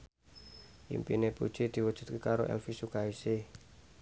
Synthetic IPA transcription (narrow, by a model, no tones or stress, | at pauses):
ʔḭmpinepud̥ʒ̥id̪̥i̤wud̥ʒ̥ṳt̪̚kekaɾoʔɛ̰lfisukaise